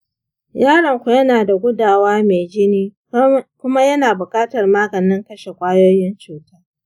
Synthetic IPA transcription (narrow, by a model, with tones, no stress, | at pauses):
jaː˦ɽɐ˨ŋkʷu˨jɐ˦naː˨da˨ɡʷʊ˦daː˨waː˦me˨d͡ʒɪ˦niː˦ | kʷʊ˦ma˦jɐ˦naː˨bʊ˨kʼaː˦tɐ˨rmaː˦ɡɐ˨nɪ˦ŋkɐ˦ʃe˨kʷʼaː˦joː˦jɪ˦nt͡ʃuː˨taː˦